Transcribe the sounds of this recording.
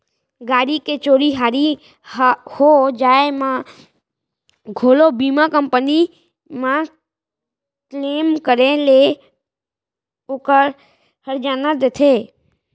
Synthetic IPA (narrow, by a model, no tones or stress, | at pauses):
ɡaːɾiket͡ʃoːɾiɦaːɾi | hod͡ʒaːemã | ɡʱoːlobiːmãkəmpəni | mã | kleːmkəɾẽle | okəɾ | həɾd͡ʒaːnad̪et̪ʰeː